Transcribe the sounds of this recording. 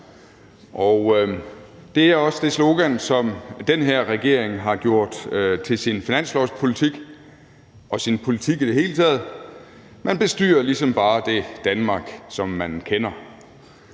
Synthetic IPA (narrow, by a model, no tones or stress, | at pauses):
ʔɒʊ | d̥e̝æɐɒ̽səd̥e̝slo̝ɡ̥ænsɒ̽md̥enɦeɐ̰ʁɛɡ̥e̝ɐ̰eŋɦɑ̈ɡ̥jo̝ɐ̰d̥t͡sʰe̝lsinfinæn̰slɒʊspʰo̝lit͡sʰiɡ̥ | ɒ̽sinpʰo̝lit͡sʰiɡ̥id̥e̝ɦhe̝ːlət͡sʰɛ̰ːð̞̩ˠ | mænb̥e̝sd̥y̰ːɐlisɒ̽mb̥ɑ̈ːd̥e̝d̥ænmɑ̈ːɡ̥sɒ̽mːænkʰenɐ